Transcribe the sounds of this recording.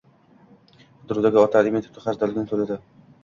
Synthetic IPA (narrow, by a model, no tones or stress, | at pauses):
ʊd̪ɾud̪aɡʲɪɒt̪ʰalɪmet̪ʰɪ̥t̪ʰɪχaɾd̪alɪɡʲnɪt̪ʰolad̪ɪ